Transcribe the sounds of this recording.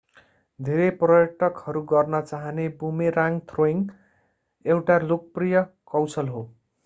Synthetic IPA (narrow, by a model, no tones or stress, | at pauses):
d̪ʱeɾeprʌjʌʈʌkhʌɾuɡʌrnʌt͡saɦʌnebumeɾaŋt̪ʰroiŋ | ewʈalokʌprijʌkʌwsʌlɦo